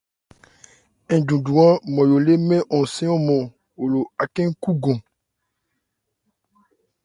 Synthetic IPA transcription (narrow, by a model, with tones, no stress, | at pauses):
ɛ̃˨ɖũ˨ɖũ˨ã˦mɔ̃˨jo˨le˦mẽ˦ʔɔ̃˨sẽ˦ɔ̃˦mɔ̃˨ | wo˨lo˨a˨kẽ˦ŋ̩˦ku˦ɡõ˨